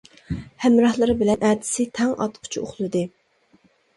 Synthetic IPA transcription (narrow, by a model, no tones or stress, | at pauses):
hɛmɾɑhlˠɨɾɨbɪlɛnʔæd̪ɪ̥sɪt̪ʰɛŋʔɑ̰t̪qʰʊ̥t͡ʃʰioχlˠɨd̪ɨ